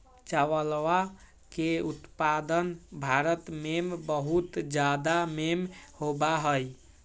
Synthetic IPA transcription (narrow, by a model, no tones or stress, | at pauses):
t͡ʃaʋəlwa | keut̪pad̪ənbʱaɾət̪membəɦut̪d͡ʒad̪amemhobaɦəj